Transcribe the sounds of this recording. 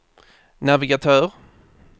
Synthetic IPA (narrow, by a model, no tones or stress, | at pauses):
navɪɡat̪ʰœːɾ